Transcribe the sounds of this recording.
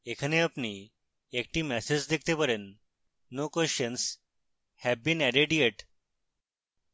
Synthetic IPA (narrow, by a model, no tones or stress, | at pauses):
ekʰəneəpni | ek̚ʈimɛsed͡ʑd̪ek̚ʰt̪epəɾenː | okɔɕəns | hɛʋbĩnɛɾeɖieʈ